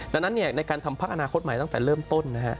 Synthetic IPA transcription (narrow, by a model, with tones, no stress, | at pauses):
da˧nːa˦˥nːi˥˩ɐna˧jkaː˧nt̪ʰa˧mpʰaː˦˥k̚ʔa˧naː˧kʰo˦˥t̪̚ma˩˦jt̪t̪ɛː˨˩ɾɤː˥˩mt̪o˥˩nːa˦˥kʰa˦˥ʔ